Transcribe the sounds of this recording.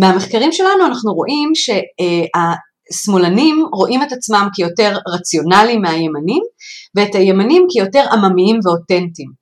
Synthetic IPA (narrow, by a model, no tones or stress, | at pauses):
meame̞χkaʁimʃe̞lanuanaχnuʁo̞̰ʔimʃe̞a | smo̞lanimʁo̞ʔimetat͡smamkijo̞te̞ʁʁat͡sjo̞nalimeajemanimveːtajemanimkijo̞te̞ʁamamiimve̞o̞te̞ntim